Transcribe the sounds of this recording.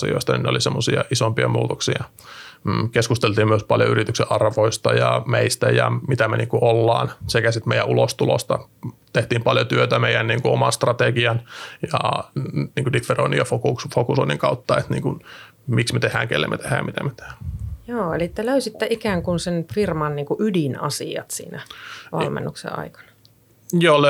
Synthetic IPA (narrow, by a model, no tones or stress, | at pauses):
ḭo̰ist̪ɑnḭneo̰lisemːosiɑʔisompiɑmṵːt̪oksiɑː | keskust̪elt̪iːmmyøspɑljo̰yrit̪ykseʔɑrʋoist̪ɑjɑmeist̪æjɑmit̪æmeniːkuʔolːɑːnsekæsit̪meijæʔulost̪ulo̰st̪ɑt̪eht̪iːmpɑljot̪yøt̪æmeijænniːŋkuomɑnst̪rɑt̪eɡiɑnjɑ | niːŋkudikferonijofokuksfokusoinːiŋkɑut̪ːɑet̪nḭːŋkun | miksmet̪ehæ̰ːŋkḛlːḛmːḛt̪ehæːjɑmit̪æ̰met̪e̥hæ̥ːjoːelit̪ːæløysit̪ːæʔikæːŋkunsenfirmɑnniːŋkuʔydinɑ̰siɑ̰t̪sḭːnæʋɑ̰lmḛnːuksḛɑ̰ikɑ̥nɑ̥ | joːl